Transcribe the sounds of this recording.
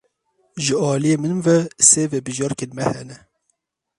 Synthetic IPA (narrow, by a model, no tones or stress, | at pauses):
ʒɨɑːlijeːmɨnmvɛseːvɛbɨʒɑːɾkenmɛhɛnɛ